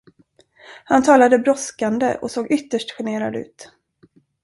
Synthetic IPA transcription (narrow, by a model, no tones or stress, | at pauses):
hant̪ʰɑːlad̪əbɾɔskand̪ə̰ʔɔ̰soːɡʏt̪ːəʂʈɧɛɳeːɾa̰d̪ʉ̟ːt̪